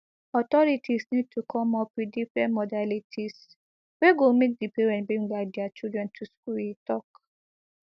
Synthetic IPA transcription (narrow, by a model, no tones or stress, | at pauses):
ɔtɔɹitʰisnid̚tʰukʰɔ̃mɔpwidifɹɛ̃ntmɔdalitʰis | weɡomek̚dipeɹɛ̃nbɹĩŋlaɪk̚dɛat͡ʃildɹɛ̃ntʰuskulitɔk